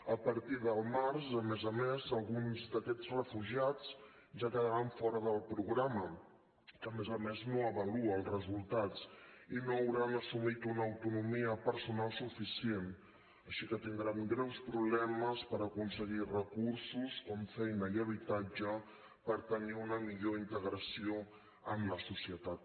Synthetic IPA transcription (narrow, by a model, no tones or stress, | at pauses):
əpəɾt̪iðəlˠmaɾsəmɛzəmezəlˠɣunzd̪əkɛt͡srəfuʒiat͡s | ʒakəðəɾaɱfɔɾəðəlˠpɾuɣɾamə | kəmezəmeznoəβəluəːlˠzrəzulˠt̪at͡sinoəwɾanəsumit̪unəːwt̪unumiəpəɾsunalˠsufisien | əʃikət̪ind̪ɾamɡɾɛwspɾuβ̞lɛməspəɾəkunsəɣirəkursuskɔɱfɛjnəiəβit̪ad͡ʒə | pəɾt̪əniunəmiʎoint̪əɣɾəsio | əmləsusiət̪at̪̚